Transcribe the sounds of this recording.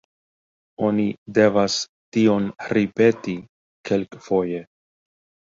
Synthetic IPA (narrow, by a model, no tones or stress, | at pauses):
o̞nide̞vas | tio̞nɾipe̞ti | kʰe̞lkfo̞je̞